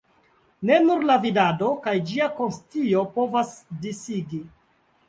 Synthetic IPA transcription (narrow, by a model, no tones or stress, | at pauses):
ne̞nuɾlavidado̞kajd͡ʒiako̞nstiopovasdisiɡi